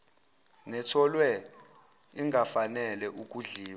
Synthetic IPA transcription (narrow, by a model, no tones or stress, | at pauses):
nɛtʰɔlwɛ | iŋafanɛlɛʔuk̬ʼuɮiːwa